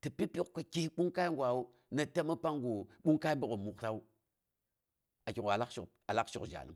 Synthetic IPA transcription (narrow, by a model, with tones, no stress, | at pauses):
tə˨pi˦pi˦˨kka˨ki˦hɓu˦ŋka˦i˦ŋɡʷa˨wu˦ | na˨ta˦mə˦pa˦ŋɡu˨ɓu˦ŋka˦i˦mbu˦ko˨mu˨kta˦u˦ | a˨ki˨ka˨la˦kʃu˨ | a˨la˦kʃu˨d͡ʒa̰˨lɨ̰˦m